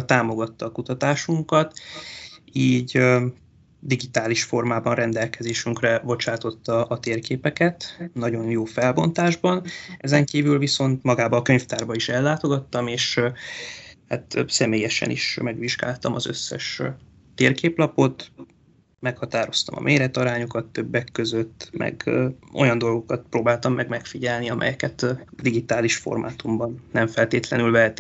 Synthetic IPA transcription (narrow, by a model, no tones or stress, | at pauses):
t̪aːmo̞ɡɒt̪ːɒːkut̪ɒt̪aːʃuŋkɒt̪ | iːɟ | d̪iɡit̪aːliʃfo̞rmaːbɒnrɛnd̪ɛlkɛzeːʃyŋkrɛbo̞t͡ʃaːt̪o̞t̪ːɒːt̪eːrkeːpɛkɛt̪nɒɟo̞njoːfɛlbo̞nt̪aːʒbɒnɛzɛŋkiːvylviso̞nt̪mɒɡaːbɒːkø̞ɲft̪aːrbɒiʃɛlːaːt̪o̞ɡɒt̪ːɒmeːʃ | hat̪sɛmeːjɛʃɛ̰nḭʃmɛɡʋiʒɡa̰ːlt̪ɒmɒzø̞̰sːɛ̰ʃ | t̪eːrkeːplɒpo̞t̪ | mɛkhɒt̪aːɾo̞st̪ɒmɒ̰mʔeːɾɛt̪ɒɾaːɲokɒt̪ːø̞bːɛkːøzø̞t̪ːmɛ̰ɡʔo̞̰jɒnd̪o̞lɡo̞kɒt̪̚proːbaːlt̪ɒmːɛɡmɛkfiɟɛlniɒmʔɛ̰jɛkɛt̪d̪iɡit̪aːliʃfo̞̰rmʔa̰ːt̪umbɒnːɛɱfɛlt̪eːt̪lɛnylvɛɦɛt̪i